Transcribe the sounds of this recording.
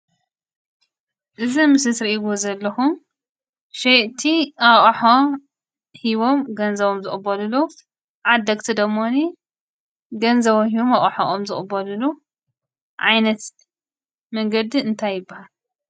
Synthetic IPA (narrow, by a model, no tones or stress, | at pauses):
ʔɨzimɨsɨsɾiʔiβozɐlːɐxum | ʃeʔt̪ʰiʔaχʼħo | hiβomɡɐnzɐβomzɨxʼbːɐlɨlu | ʕad̪ːɐkʼt̪ʰid̪ɐmːoni | ɡɐnzɐβomɦiβomɐχʼħoʔomzɨχʼbːɐlulu | ʕa̰jnɐt̪ | mɐŋɡɐd̪iɨnt̪ʰajːɪbːahal